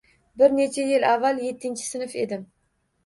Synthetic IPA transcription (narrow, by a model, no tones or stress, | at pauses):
bɪɾne̞t͡ʃʰajɪlavːalje̞t̪ʰːɪnʲt͡ʃʰɪ̥sɪnɪfe̞d̪ɪm